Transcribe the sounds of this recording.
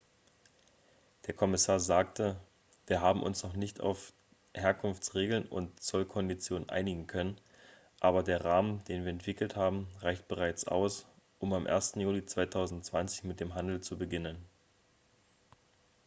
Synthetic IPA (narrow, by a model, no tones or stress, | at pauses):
d̥eːɐkʰɔmɪsaːɐzaːktə | viːɐɦaːbm̩ʔʊ̰nsnɔχnɪçta̰ʊf | heːɐkʰʊnft͡sʁeːɡl̩nʊ̰ntt͡sɔlkʰɔndit͡sjoːnənʔa̰ɪnɪɡŋ̩kʰœnən | ʔaːbɐdeːɐʁaːmənd̥eːnviːɐɛntv̥ɪkl̩thaːbm̩ʁaɪçt̚b̥əʁaɪt͡sʔa̰ʊs | ʔʊmamʔḛːɐstn̩juːlit͡sv̥aɪtʰaʊzn̩tt͡sv̥ant͡sɪ̥çmɪt̚d̥eːmɦandl̩t͡subəɡɪnən